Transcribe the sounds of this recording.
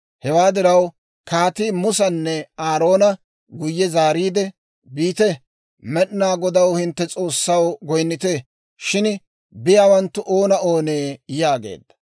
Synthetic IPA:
hɛwaːd̪ɪɾɐw | kaːt̪iːmʊsɐnːɛaːɾo̞ːnɐ | ɡʊjːɛzaːɾiːd̪ɛ | biːt̪ɛ | mɛɗnaːɡɔd̪ɐwhɪnt̪ːɛt͡sʼo̞ːsːɐwɡɔjnːɪt̪eː | ʃɪn | bɪjaːwɐnt̪ːʊʔoːnɐo̞ːneːjaːɡe̞̰ːd̪ːɐ̥

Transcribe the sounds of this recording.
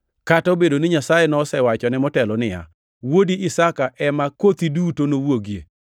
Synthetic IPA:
katobedonɪɲasajenɔsɛwat͡ʃɔnɛmɔtɛlɔnɪja̰ | wodiʔɪsakaʔɛmakot̪idutonowoɡije

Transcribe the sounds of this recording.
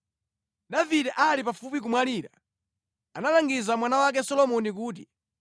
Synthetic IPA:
davidɛʔalipafupik̬umwaliːɾa̰ | analaŋɡizamwanawak̬ɛsɔlɔmɔnik̬uːti

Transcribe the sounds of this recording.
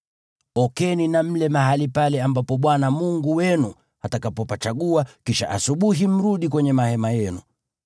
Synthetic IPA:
ɔkɛninam̩lɛmaɦalipalɛambapɔɓwanamuŋɡuwɛnu | hatakapɔpat͡ʃaɠuakiʃa̰ʔasuɓuɦim̩ɾuɗikwɛɲɛmahɛmajɛnu

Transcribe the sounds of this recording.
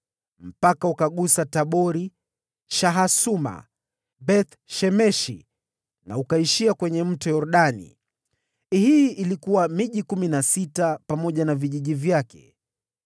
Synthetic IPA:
m̩pakaukaɠusataɓɔɾi | ʃaɦasuma̰ | bɛt̪ | ʃɛmɛʃḭ | na̰ukaiʃiakwɛɲɛm̩tɔjɔɾɗanḭ | hiʔilikuwamiʄikuminasitapamɔʄanaviʄiʄivjakɛ̥̰

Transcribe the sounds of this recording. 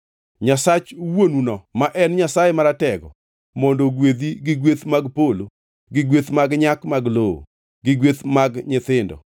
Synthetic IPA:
ɲasat͡ʃwonunɔmaʔɛnɲasajemaɾatɛɡɔ̰ | mondoɡwed̪iɡɪɡwet̪maɡpolo | ɡɪɡwet̪maɡɲakmaɡloo̰ | ɡɪɡwet̪maɡɲɪt̪ɪndɔ̰

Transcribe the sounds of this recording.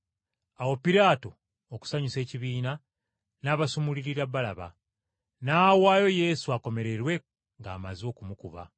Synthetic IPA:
awo̞piɾaːto̞ | oku̥saɲuse̞ːciβiːna | naːβasumuliɾiɾabːalaβa̰ | naːwaːjo̞je̞ːsuako̞me̞ɾe̞ɾwe̞ | ŋɡa̰ːma̰zio̞ːkumukuβa̰

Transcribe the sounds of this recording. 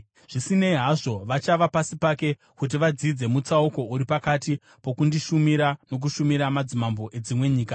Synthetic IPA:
ʐ̥isine̞iɦaʐo̞ʋat͡ʃaʋapasipake̞ | kut̬iʋad͡zid͡ze̞mut͡sauko̞uɾipakati | po̞kundiʃumiɾano̞k̬uʃumiɾamad͡zimambo̞ʔed͡zimwe̞ɲiːka

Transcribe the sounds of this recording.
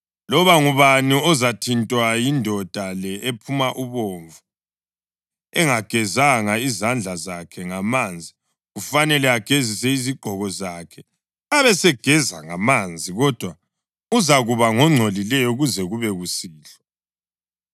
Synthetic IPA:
lɔβaŋuβaniɔzatʰintʼwajindʱɔd̥ʱalɛʔepʰumaʔuβoɱvu | ɛŋaɡ̥ʱɛzaŋaizand͡ɮʱazakʰɛŋamand͡zʱi | ɣufanɛlɛaɡ̥ʱezisɛiziɡ͡ǃʱɔɣɔzakʰɛ | aβɛsɛɡ̥ʱɛzaŋamand͡zʱiɣɔd̥ʱwa | uzaɣuβaŋɔŋ͡ǀʱolilɛjɔuɣuzɛɣuβɛɣusiːɬɔ

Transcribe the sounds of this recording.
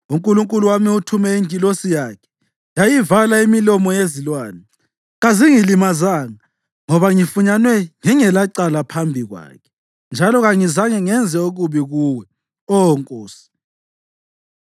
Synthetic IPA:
uŋkʼuluŋkʼuluwamiutʰumɛiŋʱʼilosijaːkʰɛ̥ | jajivalaimilɔmɔjezilwaːnɛ | ɣaziŋilimazaŋa | ŋɔβaŋifuɲanwɛŋɛŋɛlaǀalapʰambʱiɣwa̰ːkʰɛ̥ | nd͡ʒʱalɔɣaŋizaŋɛŋɛnd͡zʱɛoɣuβiɣuːwɛ | ɔɔŋkʼoːsi̥

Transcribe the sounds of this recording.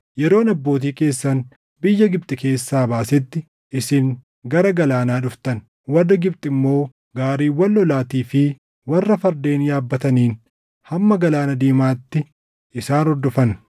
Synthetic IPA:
jɛɾo̞ːnɐbːo̞ːt̪̬iːke̞ːsːɐn | bɪjːɐɡɪb̚t̪ʼɪke̞ːsːaːbaːsɛt̪ːɪ | ʔɪsɪŋ | ɡɐɾɐɡɐlaːnaːᶑʊft̪ɐn | wɐrːɐɡɪbt̪ʼɪmːo̞ː | ɡaːɾiːwɐlːɔlaːt̪iːfɪ | wɐrːɐfɐɾd̪e̞ːnjaːbːɐt̪ɐniːn | hɐmːɐɡɐlaːnɐd̪iːmaːt̪ːɪ | ɪsaːnɔɾd̪ɔfɐn

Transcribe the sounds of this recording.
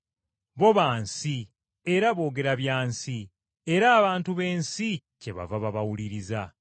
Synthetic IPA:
βo̞βaːnsi | eɾaβo̞ːɡe̞ɾaβjaːnsi | e̞ɾaːβaːntuβe̞ːnsi | ce̞βa̰vaβaβawuliɾiza

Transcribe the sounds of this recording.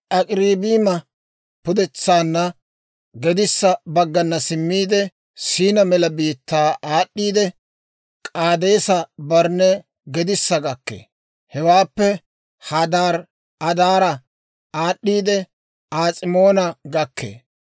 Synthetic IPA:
ʔɐkʼɾiːbiːmɐ | pʊd̪ɛt͡sːaːnːɐ | ɡɛd̪ɪsːɐbɐɡːɐnːɐsɪmːiːd̪ɛ | siːnɐmɛlɐbiːt̪ːaːʔaːɗːiːd̪ɛ | kʼaːd̪e̞ːsɐbɐɾnɛ | ɡɛd̪ɪsːɐɡɐkːḛː | hɛwaːpːɛ | hɐd̪aːɾ | ɐd̪aːɾɐ | aːɗːiːd̪ɛ | aːt͡sʼɪmo̞ːnɐɡɐkːḛː

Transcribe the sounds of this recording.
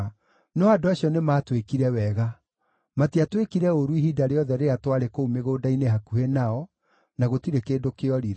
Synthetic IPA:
nɔadoaɕjɔnemaːtwekiɾɛwɛɣa | matiatwekiɾɛoɾuiɦidaɾeɔðɛɾeatwaɾekoumeɣoːdaineɦakuhenaɔ | naɣotiɾekeːdokeɔɾiɾ

